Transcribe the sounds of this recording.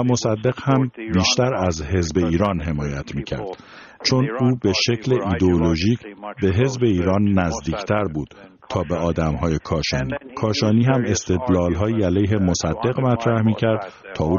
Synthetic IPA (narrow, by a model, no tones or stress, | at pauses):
æmo̞sæd̪ːe̞ɣhæmbiːʃt̪æɾæzɦe̞zbe̞iːɾɒːnɦe̞mɒːjæt̪ʰmiːcʰæ̰ɾd̪̥ | t͡ʃʰo̞nuːbe̞ʃe̞cʰleʔiːd̪eoloʒiːcʰbe̞ɦe̞zbe̞iːɾɒːnːæzd̪iːcʰt̪ʰæɾbuːd̪̥ | t̪ʰɒːbe̞ɒːd̪æmɦɒːjekʰɒːʃɒːniːkʰɒːʃɒːniːɦæme̞st̪ʰe̞d̪lɒːlɦɒːjiːælejɦe̞mo̞sæd̪ːe̞ɣmæt̪ʰɾæhmiːcʰæɾd̪̥ | t̪ʰɒːuː